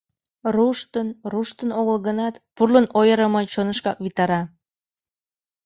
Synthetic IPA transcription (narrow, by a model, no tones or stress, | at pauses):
ruʃt̪ənruʃt̪ənoɣəlɣənɑt̪purlənojəɾəmɤt͡ɕonə̆ʃkɑkβit̪ɑɾɑ